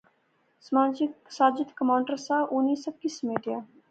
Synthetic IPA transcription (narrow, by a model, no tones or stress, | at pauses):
smasaːd͡ʒɪt̪kəmaːʊɳɖəɾsaːʔunːiːsəkismeːʈijaː